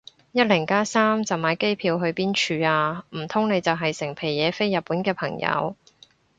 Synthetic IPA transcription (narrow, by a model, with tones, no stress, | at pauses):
jɐ˥t̚lɪ˨˩ŋkaː˥saː˥mt͡sɐ˨wmaː˨˥jke˥jpʰiː˧wɦɵ˧ɥpiː˥nt͡ʃʰyː˧aː˧m̩˨˩t̪ʰʊ˥ŋne˨˧jt͡sɐ˨wɦɐ˨jsɪ˨˩ŋpʰe˨˩jjɛː˨˧˥fe˥jːɐ˨t̚pːuː˨˥nkɛː˧pʰɐ˨˩ŋjɐ̰˨˧w